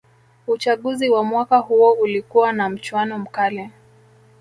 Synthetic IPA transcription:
ut͡ʃaɠuziwamwakahuɔulikuwanam̩t͡ʃwanɔm̩kalɛ

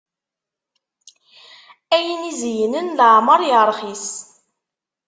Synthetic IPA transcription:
æjənizjənənləʕməɾˤjəɾˤχis

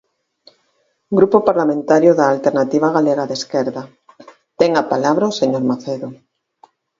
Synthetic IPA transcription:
ɡɾupopaɾlamẽnt̪aɾjoðaːlt̪eɾnat̪iβ̞aɣaleɣaðeskeɾða | t̪ɛŋapalaβɾaoseɲoɾmaθeðo

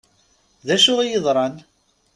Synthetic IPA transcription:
ðæʃʊʁijəðˤɾˤɑn

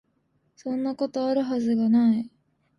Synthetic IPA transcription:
sõ̞nːako̞t̪o̞aɾɯ̟ɦazɨɡanai

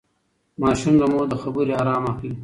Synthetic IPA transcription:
mɑːʃumlamod̪əxabuɾiaɾɑːmaxli

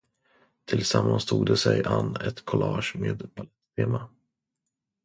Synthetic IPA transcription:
t̪ʰɪlsamːanst̪ʰuːd̪əsɛjʔanːɛt̪kʰɔlɑːʂmeːd̪bʰalɛt̪ːt̪ʰeːma

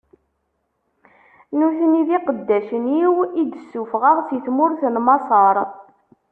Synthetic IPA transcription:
nuθəniðiqəd̪ːæʃənjiwid̪əsːufʁəʁθiθmʊɾθənmɑsˤɑɾˤ

